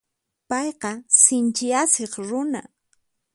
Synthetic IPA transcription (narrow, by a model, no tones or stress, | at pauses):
pɑjqɑsɪnt͡ʃɪaseχɾʊna̰